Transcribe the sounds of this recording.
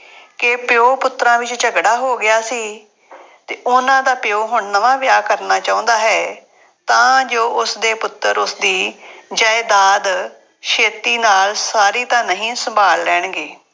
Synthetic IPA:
kɪpɪoːpʊt̪ːɾãːʋɪt͡ʃt͡ʃəɡɽaːɦoːɡɪaːsiː | t̪eːʊnãːd̪aːpɪjoːɦʊɳnəʋãːʋɪjaːkəɾnaːt͡ʃãːõːnd̪aːɦɛː | t̪ãːd͡ʒoːʔʊsd̪eːpʊt̪ːəɾʊsd̪iːd͡ʒaːed̪aːd̪ | ʃeːt̪iːnaːlsaːɾiːt̪ãːnəɦĩːsəmbʱaːlːɛːɳ̃ɡeː

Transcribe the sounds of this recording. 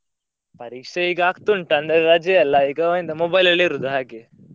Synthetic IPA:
pɐɾiːkʂeiːɡɐaːkt̪uɳʈɐnd̪ɐɾɾaːd͡ʒeɐlːɐiːɡɐind̪ɐmobɐjlɐɭːiɾud̪uɦaːɡe

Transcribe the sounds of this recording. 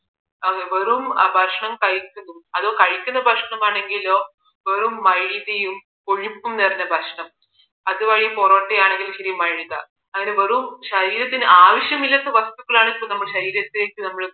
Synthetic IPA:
ɐŋeʋɐɾumbʱɐrʂɳɐmkɐɻikʲːunːumɐðo̞ːkɐɻikʲːunːɐbʱɐʂɐɳɐmaːɳe̞ŋɡilo̞ː | ʋɐɾumːɐɻiðɐjum | ko̞ɻipːumneːrɐnːɐbʱɐʂɐɳɐm | ɐðɨʋɐɻijporoːʈːejaːɳe̞ŋɡilɕɐɾijumɐɻiðɐ | ɐŋːɐne̞ʋɐɾumɕɐɾiːɾɐt̪ːinɨʔaːʋɐɕjɐmilːɐt̪ːɐʋɐst̪uɣɐɭaːɳipːoːɭnɐmːɐɭɕɐɾiːɾɐt̪ːile̞ːkːɨnɐmːɐɭ

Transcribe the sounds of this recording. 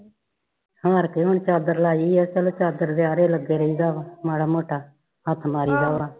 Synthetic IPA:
haːɾkeːɦʊɳt͡ʃaːd̪əɾlaːiːɛːsəlt͡ʃaːd̪əɾd̪eːaːɾeːləɡeːɾəiːzaːʋaːmaːɽaːmoːʈaː | ɦət̪ʰmaːɾiːzaːʋaː

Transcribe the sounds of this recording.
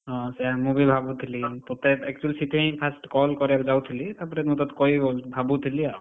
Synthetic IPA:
ɔ̃sɛamubibʱabut̪ʰilit̪ɔt̪ɛɛk̚t͡ʃuəlsiʈʰẽjpʰasʈkɔlkɔɾakd͡ʒawt̪ʰilit̪aɾpɔɾɛɾmɔt̪ɔt̪kɔjbolbʱabut̪ʰilia

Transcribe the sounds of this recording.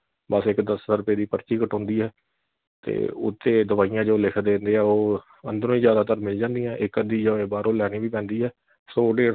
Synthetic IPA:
bəsɪkd̪əsɾʊpeːd̪iːpəɾt͡ʃiːkəʈɔ̃ːnd̪iːɦɛː | t̪ḛːʊ̰t̪ʰːeːd̪əʋaːijãːd͡ʒoːlɪkʰd̪ẽːnd̪eːɛːoː | ənd̪ɾõːiːzjaːd̪aːt̪əɾmɪld͡ʒãːnd̪ɪjãːʔɪkəd̪iːd͡ʒaːeːbaːɾoːlɛːniːʋiːpɛ̃ːnd̪iːɦɛː | soːɖeː

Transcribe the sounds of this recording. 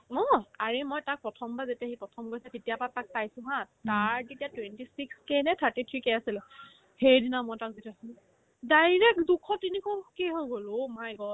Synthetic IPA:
ɔaɹemɔjtak̚pɹɔtʰɔmbazetiaxipɹɔtʰɔmkojsɛtetijapatak̚pajsʊ̃ɦãtaɹtetijatwentisikskenɛtʰaɹtitʰɹikɛasilɛ | xeɹdinamɔjtak̚zetiasu | dajɹɛk̚dukʰɔtinikɔkeɦojɡolomajɡɔ

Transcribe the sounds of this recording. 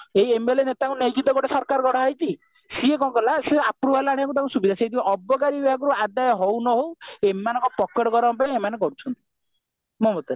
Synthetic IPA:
eiemelenet̪akũnejd͡ʒid̪ɔɡɔʈesɔɾkaɾɔɡɔɽaajt̪i | siekɔ̃kɔlaseapɾubalaɽ̃ijak̬ut̪̬akũsubid̪ʱasejd̪ibɔʔɔbɔkaɾibibʱaɡɔɾuad̪ajɔɦownɔɦowemanɔ̃ŋkɔpɔkːeʈɔɡɔɾɔmpãemanekɔɾut͡ʃʰɔnt̪i̥ | mɔmɔt̪e

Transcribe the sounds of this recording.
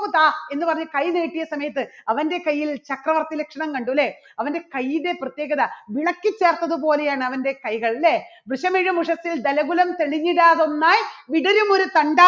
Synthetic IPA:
ut̪ːaːe̞nːɨpɐrɐɲːukɐjneːʈːijɐsɐmɐjɐt̪̬ːɨɐʋɐnde̞kɐjːilt͡ɕɐkrɐʋɐrt̪ilekʂɐɳɐmkɐɳɖule | ɐʋɐnde̞kɐjːinde̞prɐt̪je̞ːɣɐðɐʋiɳɐkːɨt͡ɕːe̞ːrt̪ːɐðɨpo̞ːle̞jaːɳɨɐʋɐnde̞kɐjɣɐɭlebrɨʂɐmiɻumuʂɐsːild̪ɐlɐɣulɐmt̪e̞ɭiɲːiɽaːðo̞nːaːjʋiɽɐɾumo̞ɾut̪ɐɳɖaː

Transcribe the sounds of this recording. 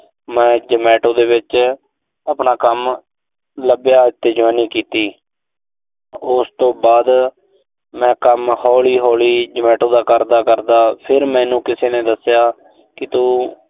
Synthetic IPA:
mɛ̃ːd͡ʒəmɛːʈõːd̪eːʋɪt͡ʃ | əpnaːkəm | ləbjaːɪt̪ːeːd͡ʒʋaːniːkiːt̪iː | ʊst̪õːbaːd̪ | mɛ̃ːkəmhɔːliːɦɔːliːd͡ʒəmɛːʈõːd̪aːkəɾd̪aːkəɾd̪aːpʰɪɾmɛ̃ːnũːkɪseːnẽːd̪əsɪjaː | kɪt̪uː

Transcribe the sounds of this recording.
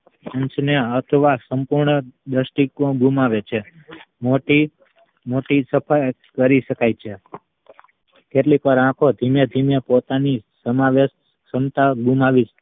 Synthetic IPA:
əɲt͡ʃneət̪ʰəʋasəmpuɾɳəd̪əʃʈikõɡʱumaʋet͡ʃʰe | moʈi | moʈisəpʰaj | kəɾiʃəkajt͡ʃʰe | keʈlikəɾãkʰod̪ʱimjed̪ʱimjepot̪anisəmaʋeʃ | səmt̪aɡumaʋit͡ʃ

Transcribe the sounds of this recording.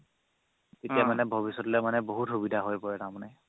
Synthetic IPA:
tetijamanɛbʱɔbisɔtlɛmanɛboɦutxubidʱaɦojpɔɹɛnamna

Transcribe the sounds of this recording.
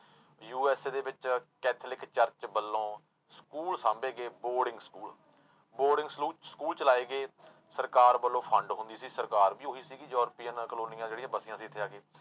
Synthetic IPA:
juːɛːseːd̪eːʋɪt͡ʃkɛːt̪ʰlɪkt͡ʃəɾt͡ʃt͡ʃbəlːõː | skuːlsãːmbeːɡeːboːɾɖɪ̃ŋɡskuːl | boːɾɖɪ̃ŋɡsuːskuːlt͡ʃəlaːeːɡeː | səɾkaːɾbəlːõːpʰəɳɖɦʊ̃nd̪iːsiːsəɾkaːɾbiːɦoːiːsiːɡid͡ʒɔːɾpiːənkəloːnɪjãːd͡ʒeːɽijãːbəsɪjãːsĩːt̪ʰɪjaːɡeː

